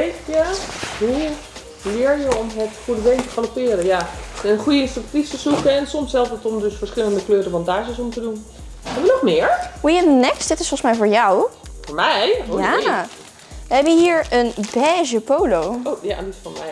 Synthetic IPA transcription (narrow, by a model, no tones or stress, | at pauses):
jaɦu | lɪːɹjəɔmətfudəbejntəχanopɪːɾəjaɛnχujəɪnstrak̚tistəsukəɛnsɔmshɛlˠfətɔmdɵsfəɹsχɪləndəkløːɾəvɑndaːzəsɔmtədun | hɛbəʋənɔχmɪːəɹwiɪndənɛkstd̥ɪtɪsfɔlˠsmɛjvʊːɹjawfʊːɹmɛjja | ʋəɦɛbənɦiːɹənbɛːʒəpowlowoja̰ndisfɔmɛj